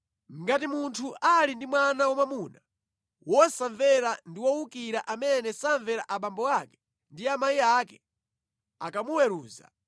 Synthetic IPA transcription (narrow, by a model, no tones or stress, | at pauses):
ŋɡatimuntʰuʔalindimwanawɔmamuna | wʔɔsaɱvɛɾandiwɔwukiɾaʔamɛnɛsaɱvɛɾa̰ʔaɓambɔakɛ̥ | ndiamajiakɛ | akamuwɛɾuːza̰